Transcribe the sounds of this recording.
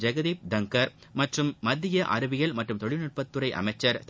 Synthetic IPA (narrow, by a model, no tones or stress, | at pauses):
d͡ʒɐɣɐðiːp̚d̪ɐŋkɐɾmɐʈrɯmːɐd̪ːɪjɐʔɐ̰ɾɯʋɪɣɐɭmɐʈrɯmt̪ɔɻɪnɯʈ̚pɐt̪ːɯɾɐɪʔɐ̰mɐɪt͡ʃːɐɾt̪